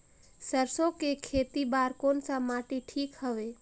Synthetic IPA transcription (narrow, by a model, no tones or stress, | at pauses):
səɾsõkekʰeːt̪ibaːɾkoːnsamaʈiʈʰiːkɦəʋe